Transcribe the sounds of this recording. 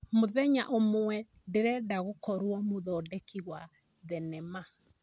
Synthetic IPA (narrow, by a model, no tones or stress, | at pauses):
moðɛɲa̰ʔomoɛ | deɾɛdaɣokɔɾwɔmoðɔːdɛkiɣwa | ðɛnɛma